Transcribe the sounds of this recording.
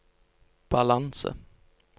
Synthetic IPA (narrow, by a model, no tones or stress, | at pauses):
b̥alansə̰